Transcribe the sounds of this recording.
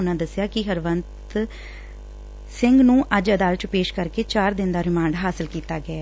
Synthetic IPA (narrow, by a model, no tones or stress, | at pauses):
ʊnãːd̪əsːjaːkɪɦəɾʋənt̪ | sɪ̃ŋɡnũːʔəd͡ʒəd̪aːlət̪peːʃkəɾkeːt͡ʃaːɾd̪ɪnd̪aːɾɪmãːɳɖɦaːsɪlkiːt̪aːɡəɛː